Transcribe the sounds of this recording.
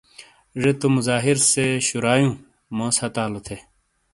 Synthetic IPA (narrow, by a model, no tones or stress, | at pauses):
ʐet̪omuzaːɦiɾseɕuɾaːjũː | mõːsɐt̪aːlot̪ʰe